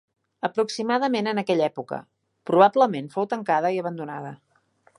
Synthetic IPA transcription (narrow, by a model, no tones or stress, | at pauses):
əpɾuksimaðəmenənəkɛʎɛpukə̰ | pɾuβabləmenfowt̪əŋkað̞əiəβ̞ənd̪unaðə